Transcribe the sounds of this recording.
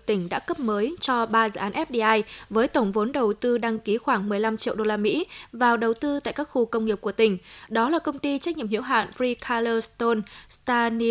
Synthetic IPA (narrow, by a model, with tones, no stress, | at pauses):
t̪ï˧˩ŋ̟ɗa̰ː˧˥kə˦˥p̚məː˨˦jt͡ɕɔ˧ɓaː˧zɨ̰ː˧˨ʔaː˨˦nʔɛ˦˥p̚ɗi˧ʔaː˧jvəː˨˦jt̪ə˧˩wŋ͡mvo˨˦nɗə˨˩wt̪ɨ˧ɗa˧ŋki˨˦xwaː˧˩ŋmɨ˨˩əjla˧mt͡ɕḭ˧˨əwɗo˧laː˧mḭ˧˥vaː˨˩wɗə˨˩wt̪ɨ˧t̪a̰ː˧˨jkaː˦˥k̚xu˧kə˧wŋ͡mŋi˨˩əp̚ku˧˩ət̪ï˧˩ŋ̟ɗɔ˨˦laː˨˩kə˧wŋ͡mt̪i˧t͡ɕa˦˥k̚ɲ̰˧˨əmhḭ˧˥wɦa̰ː˧˨nfɾi˧kʰaː˧ləː˧st̪o˧nst̪aː˧ni˧